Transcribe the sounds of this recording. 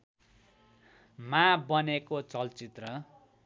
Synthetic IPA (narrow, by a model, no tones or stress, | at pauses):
mãbʌnekot͡sʌlt͡sit̪rʌ